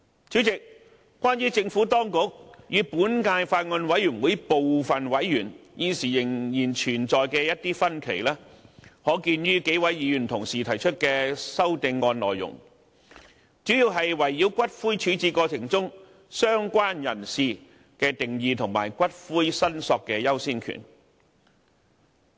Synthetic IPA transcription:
t͡syː˨˥t͡sɪ˨k̚ | kːʷaː˥njyː˥t͡sɪ˧ŋfuː˨˥t̪ɔː˥ŋkʊ˨˥k̚jyː˨˧puː˨˥nkaː˧jfaː˧t̚ŋɔ˧nwɐ˨˥jɥyː˨˩nwuː˨˥jpo˨wfɐ˨nwɐ˨˥jjyː˨˩njiː˨˧siː˨˩jɪ˨˩ŋjiː˨˩nt͡ʃʰyː˨˩nt͡sɔː˨jkɛː˧jɐ˥t̚t̪iː˥fɐ˥nkʰe˨˩jlɛː˥hɔː˨˥kiː˧nɥyː˥ke˨˥jwɐ˨˥jjiː˨˧jyː˨˩nt̪ʰʊ˨˩ŋsiː˨t̪ʰɐ˨˩jt͡ʃʰɵ˥t̚kɛː˧sɐ˥wt̪ɪ˧ŋːɔː˧nlɔː˨jːʊ̰˨˩ŋ | t͡syː˨˥ji˧wɦɐ˨jwɐ˨˩jːi˨˥wkʷɐ˥t̚fuː˥jt͡ʃʰyː˨˧˥t͡siː˧kɔː˧t͡sʰɪ˨˩ŋt͡sʊ˥ŋ | sœː˥ŋkʷaː˥njɐ˨˩nsiː˨˧ | kɛː˧t̪ɪ˨ŋjiː˨t̪ʰʊ˨˩ŋma̰ː˨˩jkʷɐ˥t̚fuː˥jsɐ˥nsɔː˧kːɛː˧jɐ˥wsiː˥nkʰy̰˨˩n

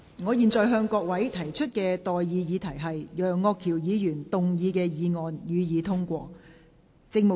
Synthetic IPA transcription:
ŋɔː˨˧jiː˨nt͡sɔː˨jɦœː˧ŋkɔː˧k̚wɐ˨˥jt̪ʰɐ˨˩jt͡ʃʰɵ˥t̚kɛː˧t̪ɔː˨jjiː˨˧jiː˨˧t̪ʰɐ˨˩jɦɐ˨jjœː˨ŋːɔː˧kʰi˨˩wjiː˨˧jyː˨˩nt̪ʊ˨ŋjiː˨˧kɛː˧jiː˨˧ŋɔː˨njyː˨˧jiː˨˧t̪ʰʊ˥ŋkʷɔː˧ | t͡sɪ˧ŋ̚mo˨

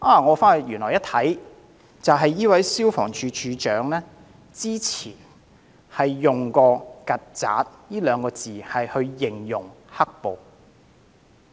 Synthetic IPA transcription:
ʔaː˨˥˩ŋɔː˨˧faː˥˨jyː˨˩nlɔː˨˩jɐ˥t̪ʰɐ˨˥j | t͡sɐ˨wɦɐ˨jiː˥wɐ˨˥jsiː˥wfɔ̰ː˨˩ŋt͡ʃʰyː˨˧t͡ʃʰyː˨˧t͡ʃœː˨˥ŋlɛː˥ | t͡siː˥t͡sʰiː˨˩n | hɐ˨jːʊ˨ŋkɔː˧kɐ˨t̚t͡sa̰ː˨˥t̚jiː˥lœː˨˧ŋkɔː˧t͡siː˨˩hɐ˨jhɵ˧ɥjɪ˨ŋjʊ˨˩ŋhɐ˥k̚po˨˧w

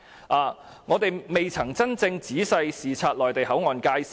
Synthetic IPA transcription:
ʔaː˨˧ | ŋɔː˨˧t̪e˨jme˨jt͡sʰɐ˨˩ŋt͡sɐ˥nt͡sɪ˧ŋt͡siː˨˥sɐ˧jsiː˨˩t͡sʰaː˧t̚lɔː˨˩jt̪e˨jhɐ˨˥wŋɔː˨nkaː˧js

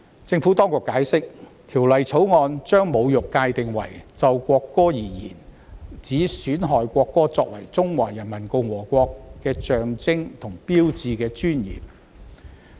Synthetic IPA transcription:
t͡sɪ˧ŋfuː˨˥t̪ɔː˥ŋkʊ˨˩kːaː˨˥jsɪ˥k̚t̪ʰiː˨˩wlɐ˨jt͡sʰo˨˥wŋɔː˧nt͡ʃœː˥ŋmo˨˧wjʊ˨kːaː˧jt̪ɪ˨ŋwɐ̰˨˩jt͡sɐ˨˧wkʷɔː˧kːɔː˥jiː˨˩jḭː˨˩n | t͡siː˨˥syː˨˥nɦɔː˨jkʷɔː˧kːɔː˥t͡sɔː˧k̚wɐ˨˩jt͡sʊ˥ŋwaː˨˩jɐ˨˩nmɐ˨˩nko˧wwɔː˨˩kʷɔː˧kːɛː˧t͡ʃœː˨ŋt͡sɪ˥ŋt̪ʰʊ˨˩ŋpiː˥wt͡siː˧kɛː˧t͡ʃyː˥njḭː˨˩m

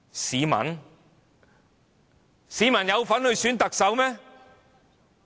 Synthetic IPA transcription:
siː˨˧mɐ̰˨˩n | siː˨˥mɐ˨˩njɐ˨˧wfɐ˨˥nhɵ˧ɥsyː˨˥nt̪ɐ˨k̚sɐ˨˧wmɛː˥

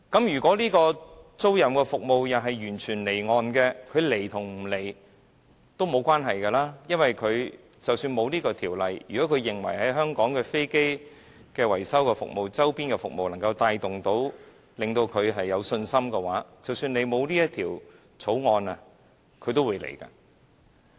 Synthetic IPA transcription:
kɐ˨˥mjyː˨˩kʷɔː˨˥liː˥kɔː˧t͡so˥wjɐ˨mkɛː˧fʊ˨k̚mo˨wjɐ˨˩wɦɐ˨jjyː˨˩nt͡ʃʰyː˨˩nle˨˩jŋɔː˨˧nkɛː˧kʰɵ˨˧ɥle˨˩jt̪ʰʊ˨˩ŋm̩˨˩le˨˩j | t̪o˥wmo˨˧wkʷwaː˥nɦɐ˨jkɛː˧laː˥jɐ˥nwɐ˨˩jkʰɵ˨˧ɥ | t͡sɐ˨wsyː˧nmo˨˧wniː˥kɔː˧t̪ʰiː˨˩wlɐ˨jːyː˨kɔ˨˥kʰɵ˨˧ɥjɪ˨˩ŋwɐ˨˩jɦɐ˨˥jɦœː˥ŋkɔː˨˥ŋkɛː˧fe˥jke˥j | kɛː˧wɐ˨˩jsɐ˥wkɛː˧fʊ̰˨k̚mo˨wt͡sɐ˥wpiː˥nkɛː˧fʊ˨k̚mo˨wlɐ˨˩ŋkɐ˧wt̪aː˧jt̪ʊ˨ŋt̪o˨˥w | lɪ˨ŋt̪o˧wkʰɵ˨˧ɥɦɐ˨jːɐ˨˧wsɵ˧nsɐ˥mkɛː˧waː˨˥t͡sɐ˨wsyː˧nle˨˧jmo˨˧wniː˥jɐ˥t̚t̪ʰiː˨˩w | t͡sʰo˨˥wŋɔː˧nɐ˨ | kʰɵ˨˧ɥt̪o˥wuː˨˧jlḛ˨˩jka̰ː˧

